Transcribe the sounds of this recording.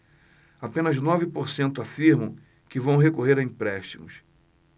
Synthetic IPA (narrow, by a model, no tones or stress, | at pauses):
apẽnɐznɔvɪpoɾsẽnt̪ʊafiɾmɐ̃w̃ | kɪvɐ̃w̃ɦekoɦeɾɐĩpɾɛʃt͡ʃimʊs